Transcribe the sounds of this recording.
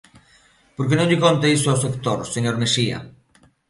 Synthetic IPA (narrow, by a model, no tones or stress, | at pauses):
poɾkenõŋʎɪkont̪aisoawsekt̪oɾseɲoɾmesia̰